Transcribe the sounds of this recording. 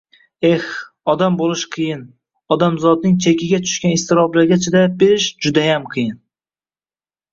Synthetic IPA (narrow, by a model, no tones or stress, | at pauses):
eh | ɒd̪ambolˠɪʃqʰɨjɪn | ɒd̪amzɒd̪nɪŋt͡ʃʰekʲʰɪɡʲat̪ʰʊ̥ʃkʲanɪst̪ɪɾɒblaɾɡʲat͡ʃʰad̪abeɾɪʃd͡ʒʊd̪ajamqʰɨjɪn